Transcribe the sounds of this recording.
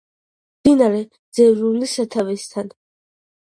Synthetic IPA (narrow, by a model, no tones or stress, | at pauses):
md̪̥inaɾɛ | d̪z̥ɛvɾulisat̪ʰavɛst̪ʰan